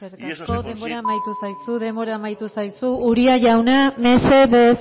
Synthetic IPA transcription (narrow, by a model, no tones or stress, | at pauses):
eɾt̪asko̞ðe̞mbo̞ɾaːmajt̪usajsuðe̞mbo̞ɾaːmajt̪usajsuːɾiaʝawname̞se̞βe